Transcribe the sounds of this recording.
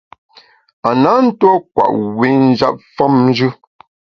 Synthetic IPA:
a˨na˨˦n̩˦twɔ˦kwa̰˨ʔwe˨˦n̩˦d͡ʒa̰˦p̚fɔ˦mn˦d͡ʒʉ˦

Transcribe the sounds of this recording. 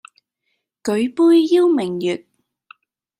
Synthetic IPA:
kɵ˨˥ɥpuː˥jːi˥wmɪ˨˩ŋjyː˨t̚

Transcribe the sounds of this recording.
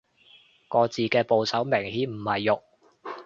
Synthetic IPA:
kɔː˧t͡siː˨˧kɛː˧po˨wsɐ˨˥wmɪ˨˩ŋhiː˨˥nm̩˨˩hɐ˨jːʊ˨k̚

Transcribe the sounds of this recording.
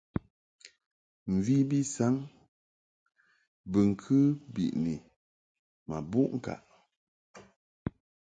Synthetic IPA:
m̩˨vi˦bi˦sa˨˦ŋ | bə˨ŋ̩˨kʰɨ˦bḭ˨ʔni˨ | ma˨bu˦ʔŋ̩˨ka̰˨ʔ

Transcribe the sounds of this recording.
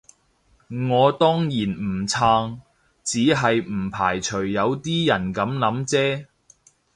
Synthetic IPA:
ŋɔː˨˧t̪ɔː˥ŋjiː˨˩nm̩˨˩t͡sʰaː˧ŋ | t͡siː˨˥ɦɐ˨jm̩˨˩pʰaː˨˩jt͡ʃʰɵ˨˩ɥːɐ˨˧wt̪iː˥jɐ˨˩nkɐ˨˥mlɐ˨˥mt͡sɛː˥

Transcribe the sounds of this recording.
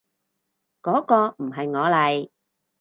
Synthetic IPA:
kɔː˨˥kɔː˧m̩˨˩ɦɐ˨jŋɔː˨˧lɐ˨j

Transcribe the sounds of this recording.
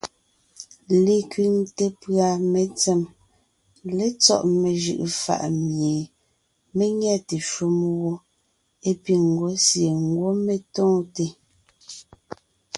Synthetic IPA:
le˦kɥi˦ŋte˦pɰa˨me˨t͡sɛ˦˨m | le˦t͡sɔ̰˦˨ʔme˨ʒɯ̰˨ʔfa̰˨ʔmje˨ | me˦ŋjɛ˦te˨ʃu˦mwo˦ | e˦pi˨ŋ̩˨ɡo˦sje˨ŋ˦ɡwo˦me˨tɔ̃ː˦te˦

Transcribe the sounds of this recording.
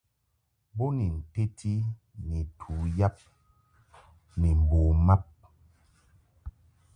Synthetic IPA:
bo˦ni˨n̩˨te˦tʰi˦ | ni˨tʰu˨ja˦p̚ | ni˨m˨bo˨ma˦p̚

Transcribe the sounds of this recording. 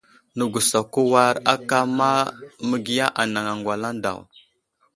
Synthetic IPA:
nə˨ɡu˨sa˨ku˦wa˦ɾa˦ka˦ma˦mə˦ɡi˦ja˦ʔa˨na˨ŋa˨ŋɡwa˨la˦n˦da̰˨w

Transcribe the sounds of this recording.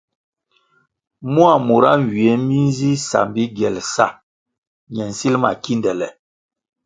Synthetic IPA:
mu˦a˨mu˨ɾa˦˨wi˨ɛ˨˦mi˦n˦zi˦sa̰˨mbi˦ɡɛ˨lsa˦˨ | ɲɛ˨n̩˨si˦lma̰˨ki˦ndɛ˨lɛ˨

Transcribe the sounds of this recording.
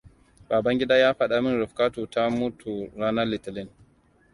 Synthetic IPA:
baː˨bɐ˦ŋɡʲɪ˦daː˦jaː˦ɸɐ˦ɗa˦mɪ˦nɾɪ˨ɸka˦tu˨ta˦mu˦tu˨ɾaː˦na˦lɪ˨tɪ˨lɪ˦˨n

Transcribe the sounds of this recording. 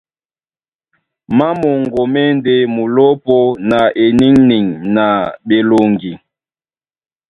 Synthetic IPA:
ma˦mo˨ŋɡo˨mɛ˦nde˦mu˨lo˦po˦na˨ʔe˨ni˦ŋni˨ŋna˨ɓe˨lo˨ŋɡi˨

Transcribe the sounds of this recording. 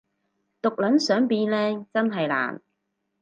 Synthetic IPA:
t̪ʊ˨k̚lɐ˨˥nsœː˨˥ŋpiː˧nlɛː˥t͡sɐ˥nɦɐ˨jla̰ː˨˩n

